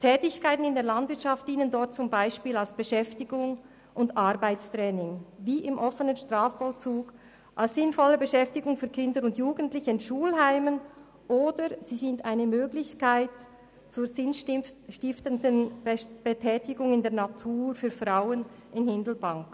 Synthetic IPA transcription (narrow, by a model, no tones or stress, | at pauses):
tʰɛːtɪçkʰaɪtn̩ɪndeːɐlɑndvɪɐtʃɑft̚d̥iːnəndɔɹt̚t͡sʊmbaɪʃpiːlalsb̥əʃɛftɪɡʊŋ | ʔʊndʔɑɾbaɪt͡stʁɛːnɪŋviːʔɪmʔɔfənənʃtʁaːfːɔlt͡suːɡ̥ | ʔalsz̥ɪnfɔləbəʃɛftɪɡʊŋfyːɐkʰɪndəɾʊntjuːɡən̩tlɪçəɪnʃuːlɦaɪmən | ʔoːdəz̥iːzɪntaɪnəmøːɡlɪçkaɪt | t͡suːɐzɪnʃtɪftəndənb̥ɛtʰɛːtɪɡʊŋɪndeːɐnatʰuːɾfyːɐfʁaʊən | ɪnhɪndl̩baŋk